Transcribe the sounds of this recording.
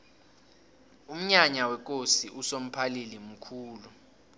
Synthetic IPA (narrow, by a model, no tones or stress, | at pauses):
um̩ɲaɲawɛk̬ʼosiʔusom̩pʰalilim̩kʰuːlu